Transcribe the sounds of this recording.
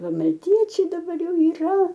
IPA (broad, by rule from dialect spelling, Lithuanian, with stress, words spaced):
ˈʋɐ mɐlʲˈtʲiɛt͡ʃʲɛɪ dɐˈbɐr ˈjɛʊ iːˈrɐ